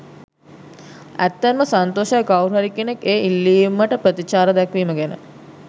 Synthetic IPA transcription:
æt̪ːenməsant̪oːʃəjəɡawɾuɦaɾikenekeːilːiːumːəʈəpɾət̪it͡ʃaːɾəd̪ɛkʋiːməɡænə̰

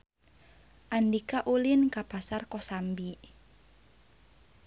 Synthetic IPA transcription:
ʔandikaʔulinkapasarkɔsambi

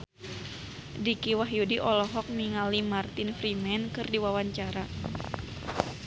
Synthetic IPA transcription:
dikiwaɦjudiʔɔlɔɦɔk̚miŋalimart̪infɾimɛnkɨrdiwawaɲt͡ʃaɾa

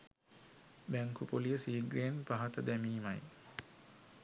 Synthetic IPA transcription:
bæŋkʰupolijəsiːɡɾejenpaɦat̪əd̪æmiːmaj

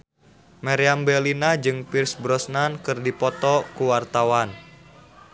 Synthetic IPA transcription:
maɾiambɛlinad͡ʒɨŋpirsbɾɔsnankɨrdipɔt̪ɔkuwart̪awan

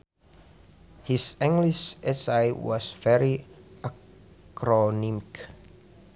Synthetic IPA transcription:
hisɛ̃ŋɡliʃɛsajwɔ̰svɛɹiʔa | kɾɔnimik

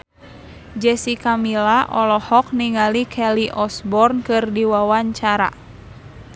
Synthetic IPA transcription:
d͡ʒɛsikamilaʔɔlɔhɔk̚niŋalikʰɛliʔɔsbɔrnkɨrdiwawaɲt͡ʃaɾa̰

